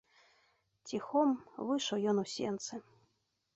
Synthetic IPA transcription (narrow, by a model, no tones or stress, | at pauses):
tʲixomvɨʃojonusʲent̪sɘ